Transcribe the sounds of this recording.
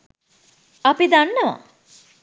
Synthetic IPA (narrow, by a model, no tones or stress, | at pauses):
ɐpid̪anːɐʋa̰